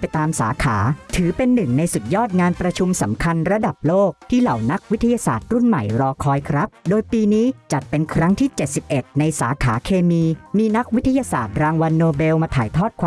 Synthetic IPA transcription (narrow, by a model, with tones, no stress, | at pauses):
a˧jt̪aː˧msa̰ː˩˦kʰaː˩˦t̪ʰɯː˩˦pe˧nːɯ˨˩ŋna˧jsu˨˩t̪̚jɔː˥˩t̪̚ŋaː˧npɾa˧t͡ɕʰu˧msa˩˦mkʰa˧nɾa˧da˨˩p̚loː˥˩k̚t̪ʰiː˥˩la˨˩˦wna˦˥k̚wi˦˥t̪ʰːa˧jaː˧sa̰ː˨˩t̪̚ɾu˥˩nma̰˨˩jɾɔː˧kʰɔː˧jkʰɾa˦˥p̚doː˧jpiː˧niː˦˥t͡ɕa˨˩t̪̚pe˧nkʰɾa˦˥ŋt̪ʰiː˥˩t͡ɕe˨˩t̪̚si˨˩p̚ʔe˨˩t̪̚na˧jsaː˩˦kʰaː˩˦kʰeː˧miː˧miː˧na˦˥k̚wt̪ʰːa˧jaː˧saː˨˩t̪̚ɾaː˧ŋwa˧nːoː˧be˧wmaː˧t̪ʰaː˨˩˦jt̪ʰɔː˥˩t̪̚kʰaː˧